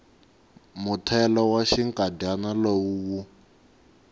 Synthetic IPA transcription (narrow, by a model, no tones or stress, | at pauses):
mutʰɛlɔwaʃiŋkʼadanalowuwu